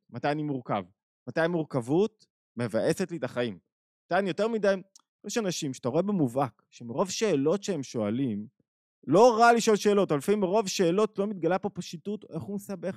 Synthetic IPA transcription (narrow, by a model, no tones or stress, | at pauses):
matajanimuʁka̰v | mat̪ajmuʁkavut̚ | me̞vaʔe̞setlitaχaim | at̪anijo̞te̞ʁmidaj | eʃeanaʃimʃe̥at̪aʁoebemuvakʃemeʁo̞vʃeːlo̞tʃeemʃo̞alim | lo̞ʁaliʃo̞lʃe̞ːlo̞talfaimeʁo̞vʃe̞ːlo̞tlo̞mit̪̚ɡalapo̞paʃituteχhumesabe̞χ